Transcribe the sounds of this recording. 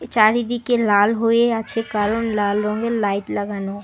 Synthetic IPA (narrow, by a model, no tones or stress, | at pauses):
t͡ʃaɾid̪ikelalɦoeat͡ʃʰekaɾonlalɾɔŋɡelaiʈlɐɡano